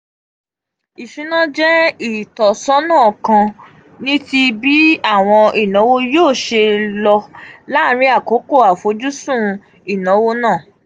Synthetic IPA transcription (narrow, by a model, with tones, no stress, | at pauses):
i˨ʃũ˨˦nã˦d͡ʒɛ˦i˦˨tɔ˨sɔ˦nã˦˨kã˧ | nĩ˦ti˧bi˦a˦˨w̃ɔ̃˧ʔi˨nɔ̃˨˦wo˦joː˦˨ʃe˧lɔ˧la˦˨˦ɾ̃ĩ˦a˦˨ko˨˦ko˦˨a˨fo˨˦d͡ʒu˦sũ˦˨ | i˨nã˨˦wo˦nãː˦˨